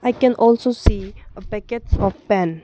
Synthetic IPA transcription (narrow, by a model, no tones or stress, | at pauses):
aɪkɛ̃nʔɔlsosiəpɛkətsɔfpɛ̃n